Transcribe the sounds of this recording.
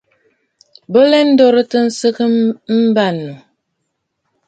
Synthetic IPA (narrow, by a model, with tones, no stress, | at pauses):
bə˦lɛ˦n̩˦dɔ˦ɾə˦tə˦n̩˦sə˦kə˦m̩˦ba˦˨nːu˨